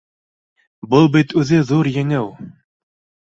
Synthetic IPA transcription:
bɤlˠbit̪ʉðɘðuɾjɘ̆ŋɘw

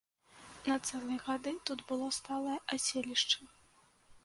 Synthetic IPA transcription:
nɐt̪sɛlˠɨjɣad̪ɨt̪ud̪bɨlˠɔst̪alˠɐjɐʔasʲelʲiʂt͡ʂɐ

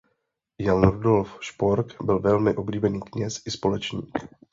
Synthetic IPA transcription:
janɾudo̞lfʃpoɾkbɪlvɛlmɪʔo̞bliːbɛniːkɲɛsʔɪspo̞lɛt͡ʃɲḭːk

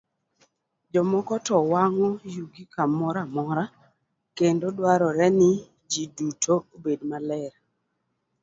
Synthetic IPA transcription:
d͡ʒɔmɔkɔtɔwaŋɔjuɡikamɔɾamɔɾa | kendodwaɾɔɾɛnɪ | d͡ʒidutʰoobedmalɛɾ

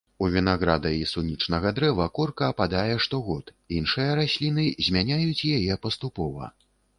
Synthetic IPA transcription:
uvʲinaɣɾad̪ɐisunʲit͡ʂnɐɣɐd̪ɾɛvɐkɔrkɐːpad̪ajɛʂt̪ɔɣɔt̪ | inʂɨjɐɾasʲlʲinɨzʲmʲanʲajut͡sʲjajɛpɐst̪upɔvɐ̰

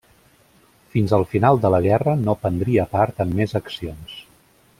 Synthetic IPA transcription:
finzəlˠfinalˠd̪ələɣɛrənopənd̪ɾiəpaɾt̪əmːezəksions

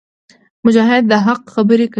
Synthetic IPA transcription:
mʊd͡ʒɑːɦɪd̪̚ːəɦaqxɐbəɾikɐ

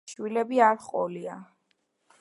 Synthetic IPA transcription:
ʃwilɛbiaɾχʼɔlia

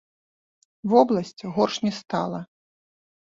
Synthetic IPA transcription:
vɔblˠɐsʲt͡sʲɣɔrʂnʲɛst̪a̰lˠɐ

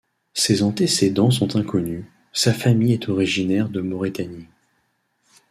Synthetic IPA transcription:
sezɑ̃t̪esed̪ɑ̃s̬ɔ̃t̪ɛ̃kɔny | safamijɛt̪ʰɔʁiʒinɛʁd̪əmɔʁit̪ani

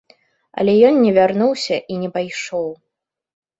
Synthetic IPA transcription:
ɐ̰lʲɛjɔnnʲɛvʲarnuwsʲɐʔinʲɛpajʂɔw

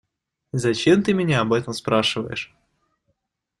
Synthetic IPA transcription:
zɐt͡ɕemt̪ɨmʲɪnʲaɐbɛt̪əmspɾaʂɨvə̰jɪ̰ʂ

